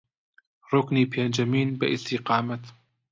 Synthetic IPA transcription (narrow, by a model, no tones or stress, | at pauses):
ɾˤʊkniːpʰaːnd͡ʒamiːnbɪ̰ʔɪst̪ɪqɑːmat̪